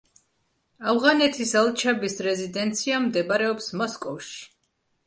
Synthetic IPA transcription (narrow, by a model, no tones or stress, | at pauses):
avʁanɛt̪ʰisalˠt͡ʃʰabisɾɛzid̪ɛnt̪sʰiamd̪ɛbaɾɛɔpsmɔskʼɔfʃi̥